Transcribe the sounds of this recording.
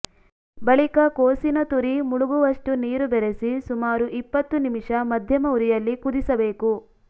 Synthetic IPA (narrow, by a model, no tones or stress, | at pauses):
bɐɭikɐkoːsinɐt̪uɾimuɭuɡuʋɐʂʈuniːɾubɛɾesisumaːɾuʔipːɐt̪ːunimiʂɐmɐd̪ʱjɐmɐuɾijɐlːikud̪isɐbe̞ːku